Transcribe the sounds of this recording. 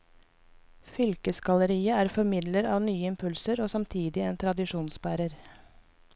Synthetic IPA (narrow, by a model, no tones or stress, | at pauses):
fʏlkəsɡɑləɾiːəæːɾfɔɾmɪd̪ləɾɑːʋnyːəɪmpʰʉlsəɾoːsɑmt̪ʰiːd̪ɪeːnt̪ʰɾɑd̪ɪʂuːnsbæːɾəɾ